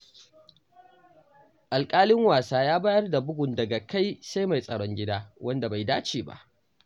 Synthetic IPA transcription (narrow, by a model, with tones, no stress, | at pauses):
ʔa˨lkʼaː˦lɪ˦ŋwaː˨saː˦jaː˦baː˦jɐ˦rda˨bʊ˦ɡʷʊ˨ndɐ˨ɡa˨ka˦jsa˦jma˨jsʼɐ˨ɽɔ˦ŋɡʲɪ˦daː˦wʔɐ˦nda˨ba˨jdaː˦t͡ʃiː˨ba̰˦ʔ